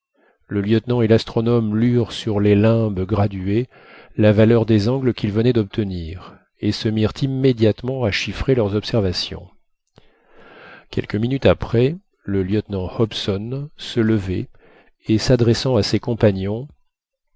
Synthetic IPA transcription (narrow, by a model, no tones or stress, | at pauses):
ləljœt̪nɑ̃elast̪χɔnɔmlyʁsyʁlelɛ̃bɡʁad̪ɥe | lavalœʁd̪ezɑ̃ɡləkʲilvənɛd̪ɔp̚t̪əniʁ | esəmiʁt̪ʰimːed̪jat̪mɑ̃aʃifχelœʁzɔpsɛʁvasjɔ̰̃ | kʲɛ̰lkəminyt̪apχɛ | ləljœt̪nɑ̃hɔpsɔnsələvɛ | esad̪ʁɛsɑ̃asekɔ̃paɲjɔ̃